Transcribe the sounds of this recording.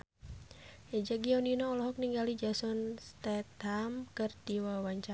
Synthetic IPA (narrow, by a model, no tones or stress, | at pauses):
ɛd͡ʒaɡiɔninɔɔlɔɦɔk̚niŋɡalid͡ʒasɔnst̪ɛt̪hamkɨrt̪iwawaɲt͡ʃa